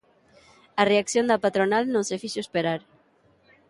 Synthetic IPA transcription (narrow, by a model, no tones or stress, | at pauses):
areakθjond̪apat̪ɾonalnõŋsefiʃoespeɾaɾ